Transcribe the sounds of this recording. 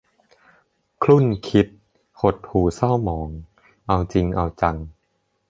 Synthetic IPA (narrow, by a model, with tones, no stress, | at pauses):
kʰlu˥˩nkʰi˦˥t̪̚ | hʰo˨˩t̪̚huː˨˩sa˥˩wmɔː˩˦ŋ | ʔa˧wt͡ɕi˧ŋʔa˧wt͡ɕa˧ŋ